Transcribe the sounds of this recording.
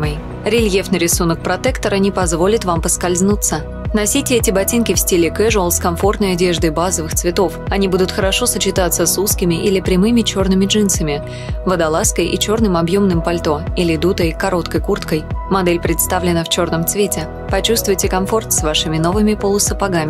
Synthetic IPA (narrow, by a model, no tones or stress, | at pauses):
ɾʲɪlʲjefnəɾʲɪsunək̚pɾɐt̪ɛkt̪əɾənʲɪpɐzvo̞lʲɪt̪vampəskɐlʲznut̪sə | nɐsʲitʲɪɛtʲɪbɐtʲinkʲɪfsʲtʲilʲɪkɛʐlˠskɐmfo̞rt̪nəjɐdʲe̞ʐd̪əjbazəvɨxt̪svʲɪt̪o̞fɐnʲibud̪ʊt̪xəɾɐʂo̞sət͡ɕɪt̪at̪səsuskʲɪmʲɪʔilʲɪpɾʲɪmɨmʲɪt͡ɕo̞rnɨmʲɪʐɨnsəmʲɪ | vəd̪ɐlˠaskəjʔḭt͡ɕo̞rnɨmɐbjo̞mnɨmpɐlʲt̪o̞ilʲɪd̪ut̪əjkɐɾo̞t̪kəjkurt̪kəjmɐd̪ɛlʲpɾʲɪt̪st̪avlʲɪnəft͡ɕo̞rnəmt̪svʲetʲɪ | pɐt͡ɕust̪vʊjtʲɪkɐmfo̞rt̪svaʂɨmʲɪno̞vɨmʲɪpolˠʊsəpaɡamʲɪ